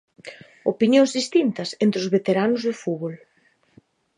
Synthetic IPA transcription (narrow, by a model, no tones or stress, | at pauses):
opinjõŋzðist̪int̪ɐsent̪ɾɪʊzβet̪eɾanʊzðʊfuβol